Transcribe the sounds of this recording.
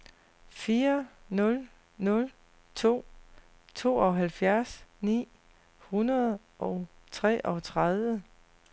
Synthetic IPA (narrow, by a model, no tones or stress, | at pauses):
fiːɐnɔ̽l | nɔ̽l | t͡sʰo̝̰ː | t͡sʰo̝̰ːɒɦælfjæɐsnḭː | hunɐð̩ˠ | ʔɒʊt͡sʰʁɛ̰ːʔɒ̽t͡sʰʁað̞ˠʋə